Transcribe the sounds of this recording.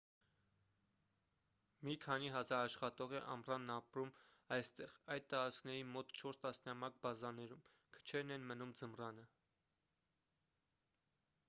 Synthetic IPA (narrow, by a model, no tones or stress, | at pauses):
mikʰɑniɦɑzɑɾɑʃχɑt̪ɔʁɛʔɑmrɑnːɑpɾumɑjst̪ɛʁɑjd̪̚t̪ɑɾɑt͡skʰnɛɾimɔt̪t͡ʃʰɔɾst̪ɑsnɑmɑk̚bɑzɑnɛɾum | kʰə̥t͡ʃʰɛɾnɛnmənumd͡zəmrɑnə